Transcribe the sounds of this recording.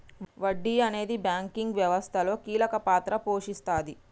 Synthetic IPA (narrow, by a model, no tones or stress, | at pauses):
ʋɐɖːiɐne̞ːd̪ibjaːŋkiŋɡʋjɐʋɐst̪ʰɐlo̞ːkiːlɐkɐpaːt̪ɾɐpo̞ːʂist̪aːd̪i